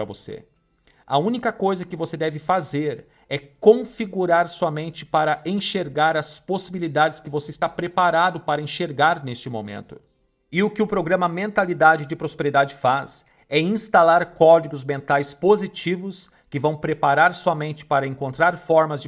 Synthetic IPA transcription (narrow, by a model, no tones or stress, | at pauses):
ɾɐvo̰sḛ | ɐũnikɐkojzɐkɪvosed̪ɛvɪfazeɾ | ɛkõfiɡuɾaɾsɔmẽnt͡ʃɪ̥paɾɐʔẽʃeɾɡaɾɐsposibilid̪ad͡ʒɪskɪvoseɪst̪apɾepaɾad̪ʊpaɾɐẽʃeɾɡaɾnest͡ʃɪmo̰mḛ̃nt̪ʊ̥ | ɪʊkɪʊpɾoɡɾɐ̃mɐmẽnt̪alid̪ad͡ʒɪd͡ʒɪpɾospeɾid̪ad͡ʒɪfas | ɛĩst̪alaɾkɔd͡ʒiɡʊzmẽnt̪ajspozit͡ʃivʊs | kɪvɐ̃w̃pɾepaɾaɾsɔmẽnt͡ʃɪ̥paɾɐẽŋkõnt̪ɾaɾfɔɾmɐzd͡ʒ